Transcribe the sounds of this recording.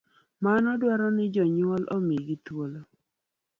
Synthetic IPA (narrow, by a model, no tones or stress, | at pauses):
manɔdwaɾɔnɪd͡ʒɔɲwɔlʔomeɡitwolo